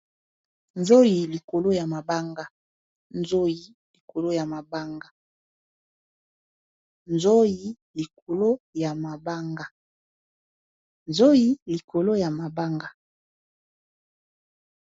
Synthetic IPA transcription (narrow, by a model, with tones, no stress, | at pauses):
nzo˦ji˨li˨ko˨lo˦ja˨ma˨ba˦ŋɡa˦ | nzo˦ji˨˦ | li˨ko˨lo˦ja˨ma˨ba˦ŋɡa˦ | nzo˦ji˨˦ | li˨k̚o˨lo˦ja˨ma˨ba˦ŋɡa˦ | nzo˦ji˦li˨kʰo˨lo˦ja˨ma˨ba˦ŋɡa˦